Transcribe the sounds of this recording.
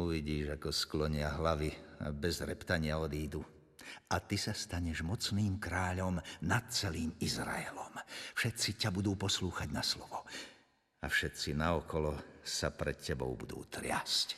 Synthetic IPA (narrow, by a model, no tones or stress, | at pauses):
uʋiɟiːʒakɔsklɔɲɪaɦlaʋia̰bɛzɾɛpt̪aɲɪaɔd̪iːd̪u | at̪isast̪aɲɛʒmɔt͡sniːmkɾaːʎɔmnat̪̚t͡sɛliːmizɾa̰ɛlɔmfʃɛt̪t͡sicabud̪uːpɔsluːxaɟnaslɔʋɔ | afʃɛt̪t͡sinaɔkɔlɔsapɾɛt̪cːɛbɔʊbud̪ṵːt̪ɾɪasc